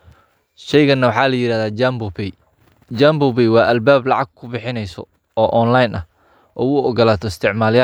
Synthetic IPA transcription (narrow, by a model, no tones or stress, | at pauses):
ʃɛjɣɐnɐwɑħɑːlɐjɪɾaːðaːbb | d͡ʒambʊbɛjwɑːʔɐlbaːblɑʕɑɡ̚kʰʊbɪħɪnɛjsɔ̰ | ɔːʔɔnlajnɐh | ʔɔ̰ːʊɔɡɔlaːt̪ʰɔɪst̪ʰɪʕmaːlja